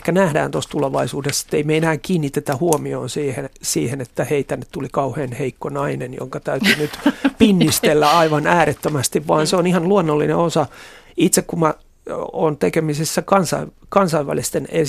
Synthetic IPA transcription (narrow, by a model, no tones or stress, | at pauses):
kænæhdæ̰ːnt̪ost̪uleʋɑisuːdesĕ̥t̪ːeimeenæːŋkiːnːit̪et̪æhuomio̰ːnsiːhensiːhenet̪ːæheit̪ænːet̪tulikɑuheːnheikːonɑinenjo̰ŋkɑt̪æyt̪ynyt̪pinːist̪elːæɑiʋɑnæːɾet̪ːømæst̪iʋʋɑːnseonihɑnluonːolːinḛosɑit̪sekkummɑ | o̰ːnt̪ekemisisːækɑnsɑ̰iʋkɑnsɑiʋæ̰list̪ene